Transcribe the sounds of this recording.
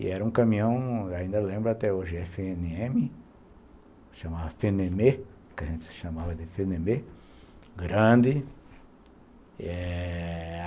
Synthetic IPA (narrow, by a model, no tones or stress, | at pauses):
ɪ̰ɛɾɐũkɐ̃mĩɐ̃w̃aĩnd̪ɐlẽmbɾʊat̪ɛoʒɪɛfeenɪẽmɪ | ʃamavɐfeneme | kɪɐʒẽnt̪ɪ̥sʃamavɐd̪ɪfeneme | ɡɾɐ̃nd̪ɪ | ɛ